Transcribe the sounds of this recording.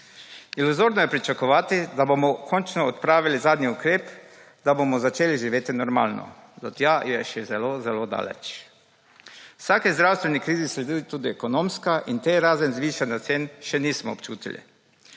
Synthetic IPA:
iluzoɾnɔjɛpɾit͡ʃakɔʋaːt̪id̪abomɔkʰont͡ʃnɔːt̪pɾaːʋilizaːd̪niukɾeːp | d̪abomɔzat͡ʃeːliʒiʋeːt̪inɔɾma̰ːlnɔ̰d̪ɔt̪jaːjɛʃɛzɛlozɛlod̪a̰ːlɛ̰t͡ʃ | wsaːkizd̪ɾawst̪ʋenikɾiːzisled̪uːjut̪uːd̪iɛkonomskaʔint̪eɾaːzɛnzʋiːʃanat̪seːnʃɛniːsmɔ̰ːpt͡ʃuːt̪ḭlḭ

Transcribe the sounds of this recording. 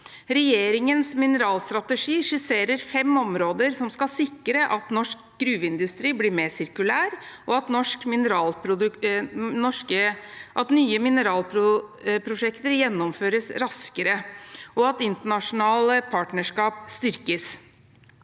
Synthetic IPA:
ɾɛjeːɾɪŋənsmɪnəɾɑːlst̪ɾɑt̪əʂiːʂʉːseːɾəɾfɛmɔmɾoːd̪əɾsɔmskɑsɪkːəɾəʔɑt̪nɔʂkɡɾʉːʋɪnd̪ʉst̪ɾiːbliːɾmeːsɪɾkʉlæːɾʔɔɑt̪nɔʂkmɪnəɾɑːlpɾʊd̪ | nɔʂkəʔɑt̪nyːəmɪnəɾɑːlpʰɾʊpʰɾʊʂɛkt̪əɾjɛnːɔmføːɾəsɾɑskəɾəʔɔɑt̪ɪnt̪əɳɑʂʊnɑːləpʰɑːʈnəʂkɑːpst̪ʏɾkəs

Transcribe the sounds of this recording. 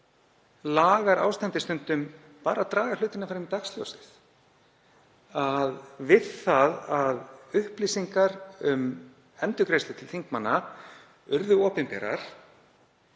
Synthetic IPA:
laːɣaɾʔa̰ːwst̪ɛnt̪ɪst̪ʏnt̪ʏm | paːɾat̪ɾaːɣḁlʏːt̪ɪnafaːɾɪmit̪aksljo̰wsɪ̥θ | aðvɪðaðaðʏhpliːsiŋkaɾʏm | ɛnt̪ʏkɾejst̪ɪ̥t̪ʰɪlθiŋkmanːa | ʏɾðʏɔːpɪnpɛ̰ːɾa̰ɾ̥

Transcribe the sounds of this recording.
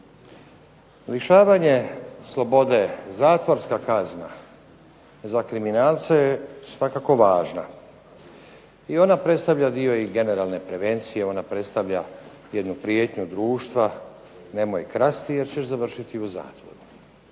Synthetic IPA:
liʃaːʋaɲe̞slˠo̞bo̞d̪e̞zaːt̪ʋoɾskakazna | zakɾiminaːlt̪sajesʋakako̞ʋaːʒna̰ | io̞napɾe̞t̪st̪aʋʎad̪ijo̞iɡe̞ne̞ɾalne̞pɾe̞ʋe̞nt̪sije̞o̞napɾe̞t̪st̪aʋʎa | je̞d̪nupɾje̞ːt̪ɲud̪ɾuːʃt̪ʋa | ne̞mojekɾast̪ije̞ɾt͡ɕeʃzaʋrʃit̪iuza̰ːt̪ʋo̞̰ɾu

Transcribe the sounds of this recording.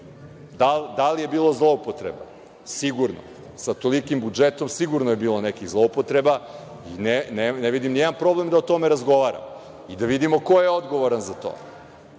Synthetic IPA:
d̪ald̪alije̞biːlˠo̞zlˠo̞upot̪ɾḛba̰ | siɡuɾno̰ | sat̪o̞likimbud͡ʒet̪o̞msiɡuɾnoje̞biːlˠonekiɣzlˠo̞upot̪ɾeba | ineneneʋid̪imnijed̪anpɾo̞ble̞md̪aot̪o̞meɾazɡo̞ʋaːɾa̰m | id̪aʋid̪imo̞ko̞jeod̪ɡo̞ʋoɾanzat̪o̰ː

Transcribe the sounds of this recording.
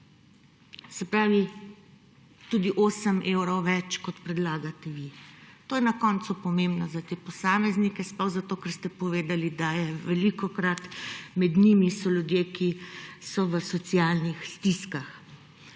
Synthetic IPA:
sɛpɾaːʋi | t̪ud̪iʔoːsəmewɾɔwʋɛt͡ʃkɔt̪pɾɛd̪laːɡat̪ɛʋit̪oːjɛnakɔnt̪supɔmembnɔzat̪eːpɔsaːmɛznikɛsplɔwzat̪oːkɛɾst̪ɛpɔʋeːd̪alid̪ajɛʋɛlikɔkɾat̪mɛd̪nimisɔlʲjud̪jekisɔʋəsɔt̪sijaːlnixst̪iskax

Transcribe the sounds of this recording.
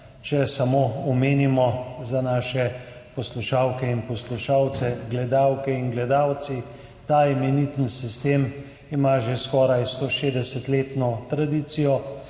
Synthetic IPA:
t͡ʃɛsamoːɔmeːnimɔzanaːʃɛpɔsluʃaːwkɛinpɔsluʃaːwt̪sɛɡlɛd̪aːwkɛinɡlɛd̪aːwt̪si | t̪aimɛnit̪ənsist̪eːm | imaʒeskɔːɾajst̪oʃed̪ɛsɛt̪leːt̪nɔt̪ɾad̪iːt̪sijɔ

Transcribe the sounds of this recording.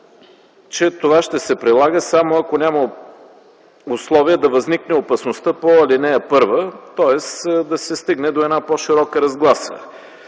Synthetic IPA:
t͡ʃɛt̪ovaʃt̪ɛsɛpɾilˠaɡəsamoɐkonʲamə | ʊslˠɔviəd̪ɐvɐzniknɛopɐsnost̪əpoɐlinɛɐpɤɾvət̪ɔɛsd̪ɐsɛst̪iɡnɛd̪oɛdnapɔʃiɾɔkəɾɐzɡlˠasə̰

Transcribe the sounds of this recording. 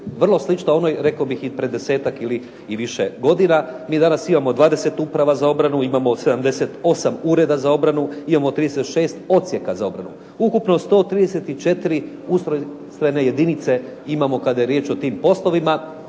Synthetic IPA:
ʋr̩lˠo̞slˠit͡ʃnoo̞nojɾe̞kaobixipɾe̞d̪e̞se̞ːt̪akili | iʋiʃeɡo̞d̪inamiːd̪anasimamo̞d̪ʋaːd̪e̞se̞t̪upɾaʋazao̞bɾanuimamo̞se̞d̪amd̪e̞se̞t̪o̞samuːɾe̞d̪azao̞bɾanuimamot̪ɾiːd̪eset̪ʃe̞ːst̪o̞t̪sʲje̞kazao̞bɾa̰nṵ | ukupno̞st̪o̞ːt̪ɾiːd̪ese̞t̪it͡ʃe̞t̪iɾi | ust̪ɾo | st̪ɾajne̞je̞d̪init̪se̞imamo̞kad̪ajeɾjeːt͡ʃo̞t̪iːmpo̞slˠo̞ʋima

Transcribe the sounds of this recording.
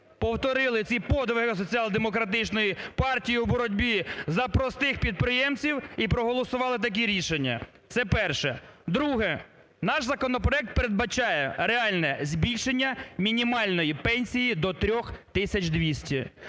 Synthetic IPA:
pɔwt̪ɔɾɪlˠɪt͡sʲipɔd̪ʋɪɦɪs̬ɔt͡sʲiɑlˠd̪emɔkɾɐt̪ɪt͡ʃnɔjipɑrtʲijiwbɔɾɔdʲbʲizɐpɾɔst̪ɪxpʲid̪̚pɾɪjɛmt͡sʲiwipɾɔɦɔlˠɔsʊʋɑlˠɪt̪̬ɐk̬iɾʲiʃenʲːɐ̰ | t̪sɛpɛrʃɛd̪ɾuɦɛ | nɑʃzɐkɔnɔp̬ɾɔɛk̚t̪̚peɾed̪bɐt͡ʃɑjɛɾeɑlʲnɛzʲbʲilʲʃenʲːɐmʲinʲimɑlʲnɔjipɛnʲsʲijid̪ɔt̪ɾʲɔxt̪ɪsʲɐt͡ʃd̪ʋʲisʲtʲi

